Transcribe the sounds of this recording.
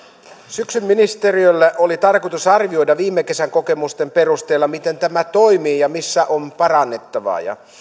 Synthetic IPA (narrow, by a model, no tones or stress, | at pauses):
syksymːinist̪eriølːeʔolit̪ɑrkut̪usɑrʋio̞jdɑʋiːmːeke̞sæŋko̞ke̞must̪empe̞rust̪e̞ːlːɑmit̪e̞nt̪æmæt̪oimiːjɑmisːæʔompɑɾɑnːe̞t̪ːɑʋɑ̰ːjɑ̰